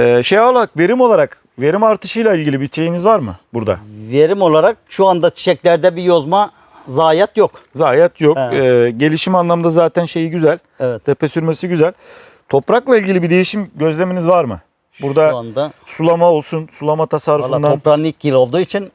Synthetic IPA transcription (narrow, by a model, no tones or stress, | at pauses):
ɛːʃejolˠaɾakve̞ɾimo̞lˠaɾak | ve̞ɾimaɾt̪ʰɯʃɯjlˠailʲɟilʲibit͡ʃʰe̞jinizvaɾmɯbuɾd̪a̰ve̞ɾimo̞lˠaɾak̚ʃuand̪at͡ʃʰi̥ʃɛclʲæɾd̪ɛbijo̞zma | zaːjat̪jokzaːjɛt̪ʰjok̚ɛɟe̞lʲiʃimanlˠamɯnd̪azaːt̪ʰænʃe̞jiɟyzælʲ | ɛvɛtt̪ʰepʰesyɾme̞siɟyzælʲ | t̪ʰo̞pɾaklˠailʲɟilʲibid̪e̞jiʃimɟø̞zlʲe̞menizvaɾmɯ | buɾd̪aand̪asulˠamao̞lˠsunsulˠamat̪ʰasaɾufɯnd̪apɾanˠicɟilʲo̞lˠd̪uːit͡ʃʰin